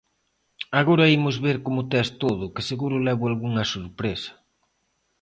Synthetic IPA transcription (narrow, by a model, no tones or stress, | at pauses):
aɣoɾɐimʊzβeɾkomʊt̪ɛst̪oðʊkɪseɣuɾʊlɛβʊalɣuŋɐsoɾpɾesɐ̥